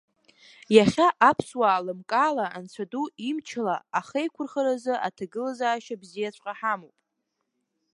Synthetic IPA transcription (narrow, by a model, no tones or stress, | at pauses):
jaχʲaʔapʰswaːlɨmkʼaːlaʔant͡ɕʷʰaduimt͡ʃʰlaaχejkʷʰʊrχəɾazɨʔa̰tʰaɡɨlazaːʃabzijat͡ɕʷʼqʼaħamowpʼ